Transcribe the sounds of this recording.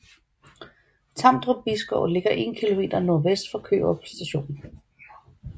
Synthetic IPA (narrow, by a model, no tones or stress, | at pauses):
t͡sʰɑ̈m̰d̥ʁob̥isɡ̥ɔʊ̰le̝ɡ̥ɐʔe̝̰ːnkʰilo̝me̝̰ːd̥ɐnɔɐʋesd̥fɒkʰø̰ːɒpʰsd̥æɕo̝̰ːn